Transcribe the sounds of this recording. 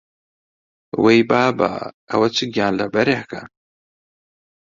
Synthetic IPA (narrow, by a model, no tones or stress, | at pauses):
wejbaːba̰ | ɐ̰wɐt͡sʰɨɡijaːnlɐbɐɾahka̰